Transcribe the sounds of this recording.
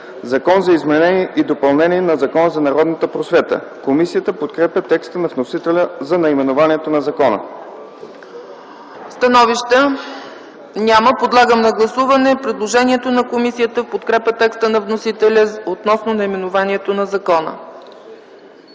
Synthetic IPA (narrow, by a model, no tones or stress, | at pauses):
zɐkɔnzɐizmɛnɛniɛʔid̪opɐlˠnɛniɛnɐzɐkɔnəzɐnɐɾɔd̪nət̪əpɾosvɛt̪ə̰komisijət̪əpot̪kɾɛpʲət̪ɛkst̪ənɐvnosit̪ɛlʲəzɐnɐimɛnovaniɛt̪onɐzɐkɔnə̰ | st̪ɐnɔviʃt̪ə | nʲaməpod̪lˠaɡəmnɐɡlˠɐsuvɐnɛpɾɛd̪lˠoʒɛniɛt̪onɐkomisijət̪əfpot̪kɾɛpʲət̪ɛkst̪ənɐvnosit̪ɛlʲəot̪nɔsnonɐimɛnovaniɛt̪onɐzɐkɔnə̰